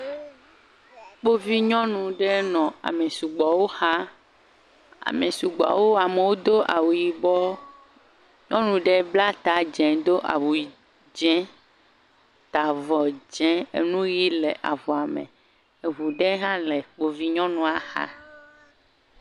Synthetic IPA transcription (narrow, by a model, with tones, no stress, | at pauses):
k͡po˦vi˦ɲɔ̃˦nũ˨ɖɛ˦nɔ̃˨a̰˨me˨su˨ɡ͡bɔ˨wo˦xa˦ | a̰˨me˨su˨ɡ͡ba̰˨wo˦a˨mẽ˨wo˦d̪o˦ʔa˨wu˨ji˨bɔ˦ | ɲɔ̃˦nũ˨ɖe˦bla˦t̪a˨d͡ʒɛ̃˨d̪o˦ʔa̰˨wu˨i˨ | d͡ʒɛ̃˦ | t̪a˨vɔ˨d͡ʒɛ̃˦ḛ˨nũ˦ji˦le˨ʔa˨vɔ˨a˨mḛ̃˨ | e˨ɦu˨ɖɛ˦ɦã˦le˨k͡po˦vi˦ɲɔ̃˦nũ˦a˦xa̰˦